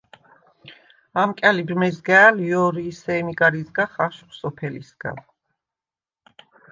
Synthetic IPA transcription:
amkʼɛlibɾmɛzɡɛaliɔɾiːsɛmiɡaɾizɡaχaʃχsɔpʰɛlḭsɡ̥a̰l

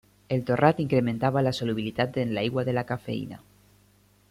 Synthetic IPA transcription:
e̞lt̪o̞rat̪iŋkɾe̞mẽnt̪aβalasoluβ̞ilit̪at̪enlaiɣwaðe̞lakafe̞̰ḭna̰

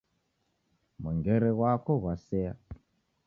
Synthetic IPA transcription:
muŋɡɛɾɛɣwakoɣwasɛa̰

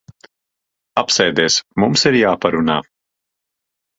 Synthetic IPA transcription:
apsɛjd̪iːsmumsiɾjaːpaɾuna̰ː

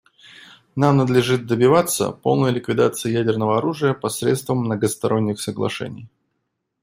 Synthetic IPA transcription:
namnəd̪lʲɪʐɨt̪̚d̪əbʲɪvat̪sə̰po̞̰lˠnəjlʲɪkvʲɪd̪at̪sɨɪjædʲɪrnəvəɐɾuʐɨjəpɐsɾʲet̪st̪vəmːnəɡəst̪ɐɾo̞nʲːɪxsəɡlˠɐ̰ʂɛ̰nʲɪ̰j

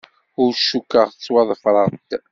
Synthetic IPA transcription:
ʊɾʃːukːəʁθət͡sːwɑðˤfɾˤəʁt̪

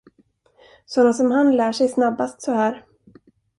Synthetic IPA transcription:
sɔnːasɔmɦanlæːʂɛjsnabːast̪sɔhæːɾ

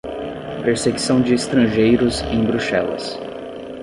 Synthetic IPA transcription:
peɾseɡisɐ̃w̃d͡ʒɪːst̪ɾɐ̃ʒejɾʊzẽj̃bɾuʃɛlɐ̰s

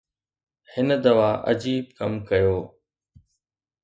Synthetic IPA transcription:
hɪnəd̪ɐʋaːʔɐ̰d͡ʑiːb̚kɐmkɐjoː

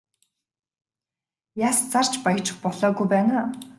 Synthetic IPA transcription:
jaːst͡sar̥t͡ɕpajə̆t͡ɕɪ̆χpɔɮɔːɡujpæːnaː

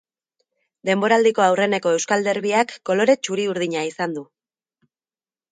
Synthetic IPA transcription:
d̪e̞mbo̞ɾald̪iko̞awre̞ne̞ko̞e̞wskald̪e̞ɾβiakːo̞lo̞ɾe̞t͡ʃuɾiuɾð̞iɲaisand̪u

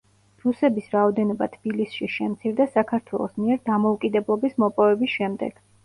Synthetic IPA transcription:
pɾusɛbisɾaɔd̪ɛnɔbat̪ʰb̥ilisʃiʃɛmt̪sʰiɾd̪asakʰaɾt̪ʰwɛ̰lˠɔsmiɛɾd̪amɔukʼid̪ɛblˠɔbismɔpʼɔvɛbisʃɛmd̪ɛ̰ɡ̥

